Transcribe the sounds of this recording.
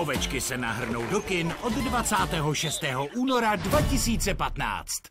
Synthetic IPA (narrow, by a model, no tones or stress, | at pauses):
ovɛt͡ʃkɪsɛna̰ɦr̩no̞wdo̞kɪnʔo̞ddvat͡saːt̪ɛːɦo̞ʃɛst̪ɛːɦo̞ʔuːno̞ɾadvacɪsiːt͡sɛpat̪na̰ːt͡st̪